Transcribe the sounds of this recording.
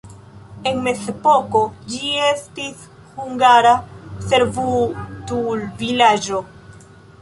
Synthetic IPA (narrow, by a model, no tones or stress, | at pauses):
e̞nme̞sepo̞ko̞d͡ʒie̞stis | huŋɡaɾase̞ɾvutulvilad͡ʒo̞